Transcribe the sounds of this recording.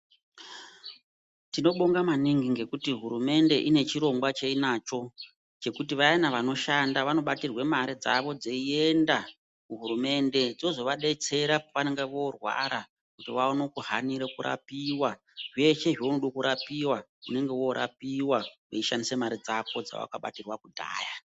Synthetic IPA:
tino̞ɓo̞ŋɡamaniŋɡiŋɡe̞kutiɦuɾume̞nde̞ʔine̞t͡ʃiɾo̞ŋɡwat͡ʃeinat͡ʃo̞ | t͡ʃe̞kut̬iʋajanaʋano̞ʃandaʋano̞ɓatirwe̞maɾid͡za̰ʋo̞d͡zeie̞nda | kuɦuɾume̞nde̞d͡zinozo̞ʋaɗe̞t͡se̞ɾapoʋane̞ŋɡeʋo̞rwa̰ɾa | kutiʋaonokuɦaniɾekuɾa̰piwa | ʐe̞ʃe̞ʐounoɗokuɾapiwaune̞ŋɡe̞wo̞ɾʔa̰piwaweiʃandisemaɾid͡zapo̞d͡za̰wa̰kaɓa̰tirwakudʱa̰ːja

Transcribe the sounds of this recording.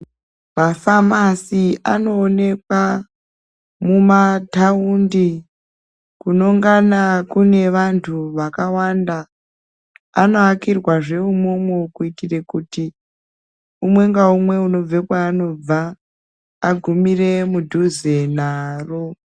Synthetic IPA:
mafamasiano̞ːne̞kwa | mumataundi | kuno̞ŋɡanakune̞ʋantʰuʋakawanda | ano̞akirwaʐe̞umo̞mwekuitire̞kuti | umwe̞ŋɡaumwe̞uno̞b͡ve̞kwaːno̞b͡vaː | ɡʱumire̞mudʱuzenaːro

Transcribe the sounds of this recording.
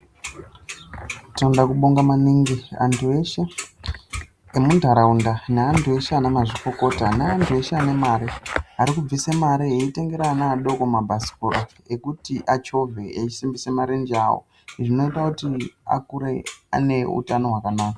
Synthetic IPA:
tandakuɓoŋɡamaniːŋɡia̰ntʰueʃa | emundʱaɾaundaneantʰueʃaːnamaʐiko̞ko̞ːtaneantʰue̞ʃaːne̞maɾiaɾikub͡visemaɾieite̞ŋɡe̞ɾanaːɗo̞ko̞mabʱasi̥koɾa | ekutiʔat͡ʃo̞veeisimbisemaɾind͡ʒawo̰ | ʐino̞itakutia̰kuɾea̰ne̞ṵtano̞ɦwakanaːka

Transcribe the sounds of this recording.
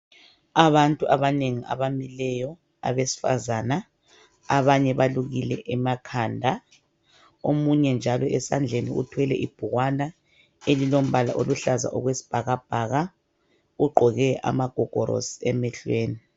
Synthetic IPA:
aβantʼuʔaβaneŋia̰βamilɛjɔ | a̰βesi̥fa̰zaːna | aβaɲɛβaluɣilɛʔɛmakʰaːndʱa | omuɲɛnd͡ʒʱalɔʔɛsand͡ɮʱeniṵtʰwɛlɛʔib̥ʱuɣwana | elilom̩βalaʔoluɬaza̰ʔɔɣwesi̥b̥ʱaɣab̥ʱaɣa | uɡ͡ǃʱɔɣɛa̰maɡ̥ʱɔɡ̥ʱɔɾo̰si̥ɛmɛɬweːni

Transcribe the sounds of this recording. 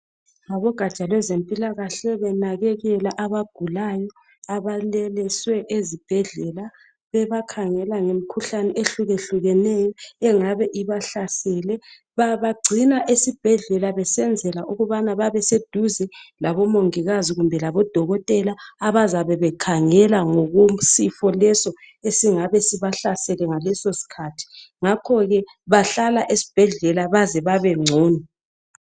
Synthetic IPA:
ŋaβɔɡ̥ʱḁt͡ʃʼalwɛzempʼilaɣaɬɛβɛnaɣɛɣɛlaʔaβaɡ̥ʱulajɔ | aβalɛlɛswɛʔezib̥ʱɛɮɛla | βɛβakʰaŋɛlaŋem̩kʰuɬanɛʔeɬuɣeɬuɣɛnɛjɔɛŋaβɛʔiβaɬasɛlɛ | βaβaɡ͡ǀʱinaʔesib̥ʱɛɮɛlaβɛsɛnd͡zʱɛlaʔuɣuβanaβaβɛsed̥ʱuzɛlaβɔmoŋiɣaziɣumbʱɛlaβɔd̥ʱɔɣɔtʼɛlaːβazaβɛβɛkʰaŋɛlaŋɔɣum̩sifɔlɛsɔ | esiŋaβɛsiβaɬasɛlɛŋalɛsosi̥kʰatʰi̥ | ŋakʰɔɣɛ | βaɬalaʔesi̥b̥ʱɛɮɛlaβazɛβaβɛŋ͡ǀʱoːni

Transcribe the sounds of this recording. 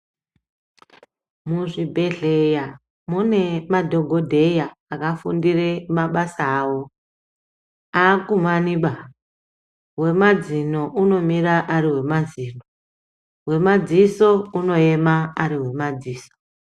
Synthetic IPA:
muʐibʱe̞ɮe̞ja | mune̞madʱo̞ɡʱo̞dʱe̞jaːkafundiremaɓasaːwo | akumaniɓa | we̞mad͡zinoʔuno̞miraʔariwe̞maziːno | we̞mad͡ziso̞uno̞e̞maːɾiɦwe̞mad͡ziːso̥

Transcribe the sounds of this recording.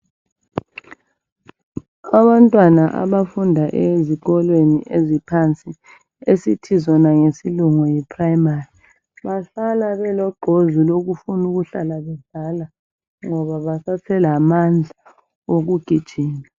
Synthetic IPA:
aβantʼwanaʔa̰βafundʱaʔeziɣɔlweniʔezipʰant͡sʼi | esitʰizɔnaŋesiluŋɔjɛpʰraimari | βaɬalaβɛlɔɡ͡ǃʱozuloɣufunuɣuɬalaβɛɮala | ŋɔβaβasatʰɛlamand͡ɮʱa | oɣuɡ̥ʱid̥ʒ̥ʱiːna

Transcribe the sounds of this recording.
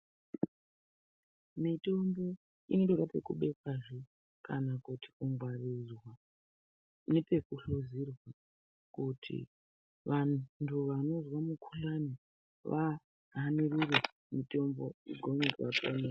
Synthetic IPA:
mito̞mbo̞ | ḭnotokape̞kuɓe̞kwaʐe | kanakuti̥kuŋɡwarizwa | ne̞pe̞kuɬozirwa | kutʰḭ | ʋatʰuʋano̞zwamukʰuɬani | ʋa | ɦanirure | mito̞mbo̞ḭɡʱomekwatone

